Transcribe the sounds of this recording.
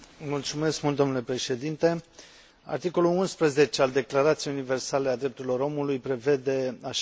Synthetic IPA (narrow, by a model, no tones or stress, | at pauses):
mult̪sume̞skmult̪d̪onule̞pɾe̞ʃe̞d̪int̪e̞ | a̰rt̪iko̞lulunspɾəze̞t͡ʃe̞ald̪e̞klaɾat̪sjejunive̞rsale̞ad̪ɾe̞p̚t̪uɾilo̞ɾo̞mulujpɾe̞ve̞d̪e̞aʃ